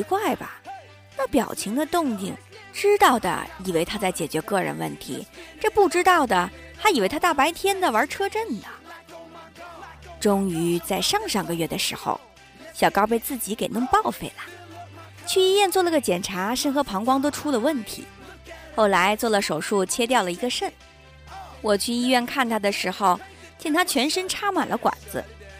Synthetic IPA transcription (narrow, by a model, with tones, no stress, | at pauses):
i˧˥kwa˥˩ɪbɐ̰˩ | na˥˩pjɑ̰˨˩ʊt͡ɕʰi˧˥ŋd̪ə˧t̪ʊ˥˧ŋt̪i˥˩ŋʈ͡ʂɻ̩˥t̪ɑ˥˩ʊd̪ə̰˩i˨˩we˧˥ɪt̪ʰa˥t͡sa˥˩ɪt͡ɕjɛ˨˩t͡ɕɥɛ˧˥kɤ˥˩ɻə̰˧˥nwə̰˥˩nt̪ʰḭ˧˥ʈ͡ʂɤ˥˧pu˥˩ʈ͡ʂɻ̩˥t̪ɑ˥˩ʊd̪ə˩ | t̪ʰa˥i˨˩wɪt̪ʰa˥t̪a˥˩pa˧˥ɪt̪ʰjɛ˥nd̪ə˨ə˞˧˥ʈ͡ʂʰɤ˥ʈ͡ʂə˥˩nd̪ə˩ | ʈ͡ʂʊ˥ŋy˧˥t͡sa˥˧ɪʂɑ˥˩ŋʂɑ˥˩ŋɡə˩ɥɛ˥˩d̪ə˩ʂɻ̩˧˥xo̰˧ʊ | ɕjɑ˨˩kɑ˥ʊp̬e˥˧ɪt͡sɹ̩˥˩t͡ɕi˧˥ke˨˩ɪnə˥˧ŋpɑ˥˩ʊfe˥˩ɪlə˩ | t͡ɕʰy˥˧i˥ɥɛ˥˧nt͡swɔ˥˧nə˥˩ɡə˩t͡ɕjɛ˨˩nʈ͡ʂʰa˧˥ʂə˥˩nxɤ˧˥pʰɑ˧˥ŋkwɑ˥ŋt̪o˥ʊʈ͡ʂʰu˥d̪ə˨wə˥˩nt̪ʰḭ˧˥ | xo˥˩ʊla˧˥ɪt͡swɔ˥˩lə˩ʂo˨˩ʊʂu˥˩t͡ɕʰjɛ˥t̪jɑ˥˩ʊlə˩i˧˥ɡə˧ʂə˥˩n | wɔ˨˩t͡ɕʰy˥˧i˥ɥɛ˥˧nkʰa˥˩nt̪ʰa˥d̪ə˨ʂɻ̩˧˥xo˧ʊt͡ɕjɛ˥˩ŋt̪ʰa˥t͡ɕʰɥɛ˧˥nʂə˥nʈ͡ʂʰa˥ma˨˩nlʔə̰˦kwa̰˨˩nd͡zɹ̩̰˦